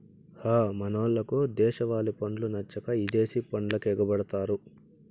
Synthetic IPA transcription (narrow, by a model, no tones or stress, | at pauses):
haːmɐnoːlːɐkud̪ɛːʃɐʋaːlipɐɳɖlunɐt͡ʃːɐkɐid̪e̞ːsipɐɳlɐkɛːɡɐbɐɽɐt̪aːɾu